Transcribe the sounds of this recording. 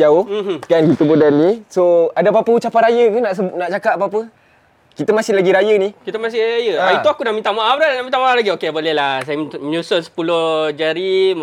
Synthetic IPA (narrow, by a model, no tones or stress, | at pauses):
d͡ʒaohɦkankit̪əbudanːisoadap̬apəut͡ʃapanɾajəkunaʔsəbnaʔt͡ʃakaʔapapə | kit̪əmasɪlaɡiɾajənikit̪əmasɪɾajəaait̪oakunaʔmint̪amaʔabɾanaʔmĩnt̪amalaɡiokebolɛhlasajəməɲusosə̥pulod͡ʒaɾi